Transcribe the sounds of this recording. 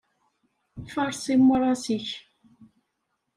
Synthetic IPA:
fɑɾˤsimːəɾˤɑsiç

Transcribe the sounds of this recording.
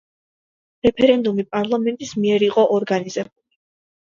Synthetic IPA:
ɾɛpʰɛɾɛnd̪umipʼaɾlˠamɛnt̪ʼismiɛɾiqʼɔʔɔɾɡaniz̥ɛb̚uli

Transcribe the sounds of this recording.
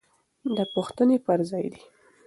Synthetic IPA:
d̪əpuxt̪ənepəɾzɑjd̪i

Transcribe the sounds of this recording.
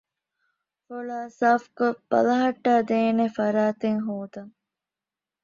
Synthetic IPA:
folaːsaːfkob̥ɐ̰lɐɦɐʈːaːd̪eːnefɐɾaːt̪eŋɦoːd̪ɐŋ

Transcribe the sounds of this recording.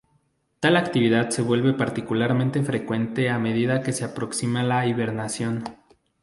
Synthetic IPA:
t̪alakt̪iβ̞iðaðse̞βwe̞lβe̞paɾt̪ikulaɾmẽnt̪e̞fɾe̞kwe̞nt̪e̞ame̞ðiðake̞se̞apɾo̞ksimalaiβe̞ɾnasjo̞n

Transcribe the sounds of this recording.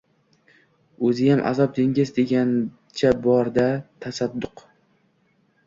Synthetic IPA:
ɵzɪjamʔa̰zɒp̚d̪eŋɡʲɪzd̪e̞ɡʲan | t͡ʃʰabɒɾd̪at̪ʰasad̪ːʊq

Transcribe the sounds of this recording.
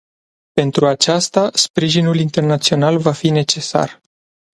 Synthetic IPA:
pe̞nt̪ɾuat͡ʃast̪aspɾiʒinulint̪e̞rnat̪sio̞nalvafine̞t͡ʃe̞sa̰r

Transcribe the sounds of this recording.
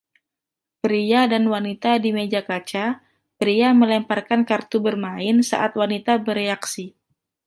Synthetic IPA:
pɾiadanwanit̪adimed͡ʒakat͡ʃa | pɾiaməlɛmparkankart̪ubərmaɪnsa̰ʔat̪wanit̪abəɾeaksi

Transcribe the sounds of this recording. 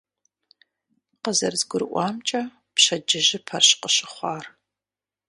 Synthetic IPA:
qəzɐrzɡʷʊɾɨʔʷɑːmt͡ʃʼɐ | pɕɐd͡ʒɪʒɪpʰɐrɕqəɕɪχʷɑːr

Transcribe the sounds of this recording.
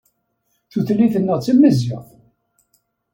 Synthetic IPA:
θuθlːiθənːəʁt͡sːimːəziʁθ

